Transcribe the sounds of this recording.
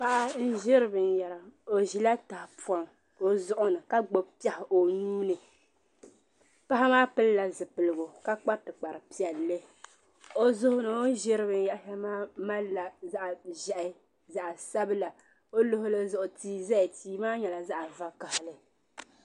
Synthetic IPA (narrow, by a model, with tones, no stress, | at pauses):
pa˦ʔa˦n̩˦ʒɪ˦ɾɨ˦bɨ˨n˦ja˨la˨o˨ʒi˨la˦ta˨hpɔ˨˦n | o˨zʊ˦ʔʊ˦nɨ˨ka˦ɡ͡bo˨pi˦ɛ˦hɪ˨ʔo˨nuː˦nɨ˨ | pa˦ɦa˦maː˦pɨ˦lla˨zɨ˨pɨ˨lɨ˨ɡo˨ka˦k͡pa˦tɨ˨k͡pa˨ɾɨ˨pi˦ɛ˨lːɨ˦ | o˦zʊ˦hʊ˦nɨ˨o˦ʒɪ˦ɾɨ˦bɨ˨n˦ja˦ha˦maː˦ma˦la˨za˦ʔʒɛ˦ʔɪ˦ | za˨ʔa˨sa˦bɨ˦la˨ | o˦lo˦hʊ˦lɨ˦zʊ˨ʔʊ˨tiː˨zɛ˦˨tiː˨maː˦ɲɛ˨la˨za˦ʔa˨va˦ka˨hlɨ˦